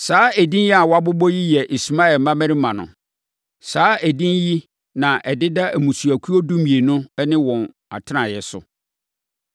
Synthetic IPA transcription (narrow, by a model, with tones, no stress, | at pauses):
saː˨˦æ˨dĩ˦nji˦a˨wa˦bʊ˦bɔ˦ji˦jɛ˨ʔi˨su˨mã˦ɛ˨mã˦mæ̃˦ɾĩ˦mã˨nʊ̰̃˨ | saː˨˦æ˨dĩ˦nji˦ | nã˨ʔɛ˨dɪ˦da˦ʔæ˨mũ˨su˨æ˨kʰu˦o˦du˦mĩ˨e˨nʊ̃˦nɪ̃˦wɔ̃˨n | a̰˨tʰɪ˦nã˨jɛ˨sʊ̰˨